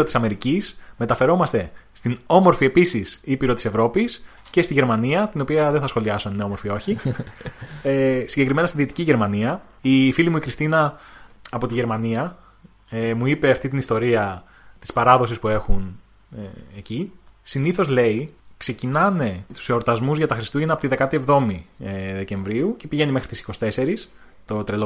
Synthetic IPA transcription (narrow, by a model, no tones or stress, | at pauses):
ot̪isɐme̞ɾicisme̞t̪ɐfe̞ɾo̞mɐst̪e̞st̪ino̞mo̞ɾfie̞pisisipiɾo̞t̪i̥se̞vɾo̞pis | ce̞st̪iʝe̞ɾmɐniɐt̪ino̞piɐðeθɐsxo̞liɐsonineo̞mo̞ɾfio̞çi | esiɲɟe̞kɾime̞nɐst̪iðit̪i̥ciʝe̞ɾmɐniɐ | ifilimuikɾist̪inɐː | po̞t̪iʝe̞ɾmɐniɐ | emuipe̞ɐft̪it̪inist̪o̞ɾiɐ | t̪i̥spɐɾɐðo̞sispue̞xun | eecisiniθo̞zle̞ikse̞cinɐne̞t̪u̥seoɾt̪ɐzmuzʝɐt̪ɐxɾist̪uʝenɐpot̪iðe̞kɐt̪ie̞vðo̞mieðe̞ce̞ɱvɾiuce̞piʝe̞nime̞xɾit̪isi̥ko̞si̥t̪e̞se̞ɾis | t̪o̞t̪ɾelo